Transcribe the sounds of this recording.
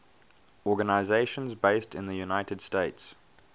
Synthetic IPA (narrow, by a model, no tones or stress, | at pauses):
ɔːɡənaɪzeɪʃə̃nzbeɪstʰɪ̰̃nðəjunaɪtəd̥steɪts